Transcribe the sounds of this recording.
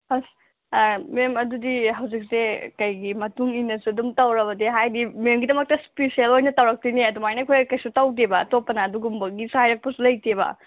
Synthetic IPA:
pas | memɐdudiɦɐwd͡ʒik̚sekɐjɡimɐtuŋinɐsuɐdumtɐwɾɐβɐdiɦajdimemɡidɐmɐk̚tɐspesielojnɐtɐwɾɐk̚tiniɐdumajnɐkʰojkɐjsutawd̬ebɐːtopːɐnɐːduɡumbɐɡisuhajɾɐk̚pɐsulɐjtʰebɐ̰

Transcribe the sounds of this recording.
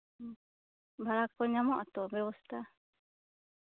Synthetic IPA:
bʱalakɔɲamɔʔat̪ɔbɛwɔst̪a

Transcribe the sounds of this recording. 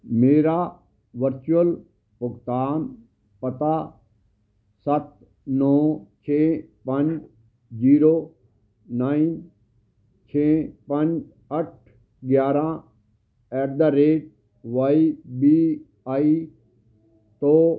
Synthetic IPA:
meːɾaː | ʋəɾt͡ʃuəl | pʊɡt̪aːn | pət̪aː | sɐt̪ | nɔːt͡ʃʰeːpəɲd͡ʒ | d͡ʒiːɾoː | naːin | t͡ʃʰeːpə̃ɲd͡ʒ | ɐʈ̚ʰ | ɡjaːɾã | ɛːɾd̪aɾeːʈ̚ | ʋaːibiː | aːi | t̪oː

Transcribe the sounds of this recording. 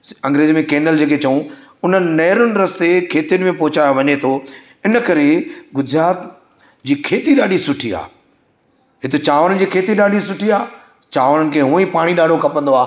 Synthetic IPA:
ɐ̃ŋɡɾeːzimẽkeːnəld͡ʑeːkʰet͡ɕɐũ | ʊn̤ənɪ̆nɐːɾʊnɪ̆ɾɐst̪ekʰeːt̪ijʊnɪmẽpɐɦʊt͡ɕaːjoʋɐɲet̪ʰo | ɪnə̆kɐɾeɡʊd͡ʑɪɾaːt̪ | d͡ʑiːkʰeːt̪iɗaːɗisʊʈʰia̰ː | ɦɪt̪ot͡ɕaːʋəɾən̆d͡ʑiːkʰeːt̪iɗaːɗisʊʈʰiaː | t͡ɕaːʋɾənɪ̆kʰeːɦũːə̃ĩpaːɽ̃iɗaːɖʱokʰɐpə̃nd̪oaː

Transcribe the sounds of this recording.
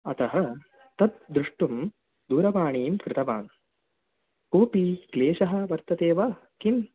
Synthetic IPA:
ɐt̪ɐɦɐ | t̪ɐt̪̚d̪ɾuʂʈum | d̪uːɾɐʋaːɳiːmkɾɪt̪ɐʋa̰ːn | koːpiːkleːʃɐɦɐ̆ʋɐɾt̪ɐt̪eːʋɐkin

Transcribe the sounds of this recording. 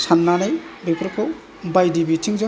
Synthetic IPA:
sanːanajbepʰɾkʰɔw | bajdibitʰiŋza

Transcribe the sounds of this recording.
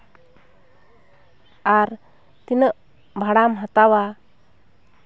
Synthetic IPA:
aɾ | t̪inəʔ | bʱaɽamɦat̪awa

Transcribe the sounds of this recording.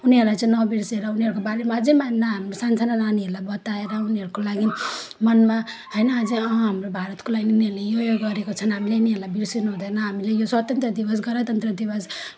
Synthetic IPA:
uniɦʌɾlajt͡sʌ̃nʌbiɾseɾʌuniɦʌɾukobaɾemad͡zẽmanaɦamɾosansʰanananiɦeɾlabʌt̪aeɾʌuniɦʌɾukolaɡimʌnma | ɦʌjnʌːd͡zʌɦamrobʱaɾʌt̪kolaɡiniuniʌlejojoɡɡʌɾekot͡sʰʌnɦamileuniɦʌɾlabiɾsinuɦud̪ʌjnʌɦamilejoswʌt̪ʌnt̪ɾrʌd̪ibʌs̬ɡʌɾat̪ʌnt̪rʌd̪ibʌs

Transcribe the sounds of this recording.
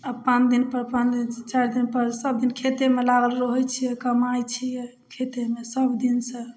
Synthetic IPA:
əbpãt͡ʃd̪inpəɾpãdint͡ʃaɾd̪inpəɾsəbd̪inkʰet̪emelaɡəlɾəɦɔjt͡ʃʰijɛkəmajt͡ʃʰijɛ | kʰet̪emesəbd̪insə̃

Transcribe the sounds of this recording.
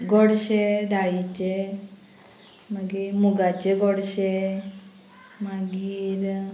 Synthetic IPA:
ɡɔɽʃed̪aɭit͡ɕe | maɡiɾmuɡat͡ɕeɡɔɽɕe | maɡiiɾ

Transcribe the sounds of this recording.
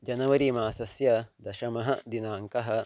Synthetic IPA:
d͡ʒɐnɐʋɐɾiːmaːsɐsjɐd̪ɐʃɐmɐɦɐd̪inaːŋkɐɦɐ̆

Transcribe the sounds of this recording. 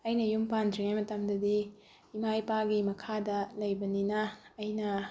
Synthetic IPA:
ɐjnɐjumpandɾiŋajmɐtamdɐdi | imajpaɡimɐkʰadɐlɐjbɐninɐːjnɐ

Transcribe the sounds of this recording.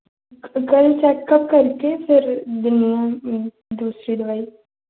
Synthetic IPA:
kəlt͡ɕɛkːəp̚kəɾkefɪɾd̪unija | d̪uːsɾiːd̪ʋaiː

